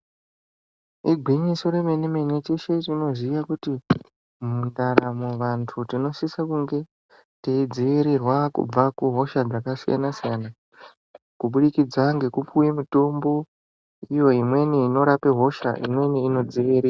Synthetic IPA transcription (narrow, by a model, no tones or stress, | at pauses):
iɡʱwiɲiso̞ɾe̞me̞neme̞netiʃet͡ʃino̞zijakuti | mundaɾamoʋantʰutino̞sisakuŋɡe̞ | teid͡ziʋiɾirwakṵb͡vakuɦo̞ʃad͡zakasija̰nasijana | kuɓuɗikid͡zaŋɡe̞kupujemuto̞mbo̞ | ijo̞imwe̞niino̞ɾapeɦo̞ʃa̰ʔḭmwe̞niino̞d͡ziʋiɾia